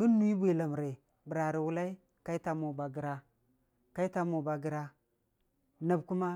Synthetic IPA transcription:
ɡu˦nː˦u˦i˦bʷi˨la˨m˨ɾe˨ | bi˨ɾa˨ɾi˨wu˦la˦i˦ | ka˦i˦ta˦mo˨ba˨ɡi˨ɾa˦ | ka˦i˦ta˦mo˨ba˨ɡi˦ɾa˦ | na˨bku˦ma˦

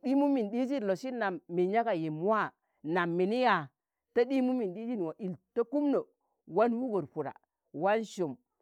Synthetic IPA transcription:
di˦mu˦mi˨nɗi˦d͡ʒi˦n˨lo˨si˦na˨mːe˨ɲa˦ka˨je˨mu˦a˦ | na˨mːi˨ni˦ja˨ | ta˦ɗi˦mu˦mi˨nɗi˦d͡ʒi˦n˨wo˨ʔi˨lto˦ku˦mno˨ | wa˦nwu˦ɡo˨ɾpu˨ɾa̰˨ | wa˦nʃo˨m

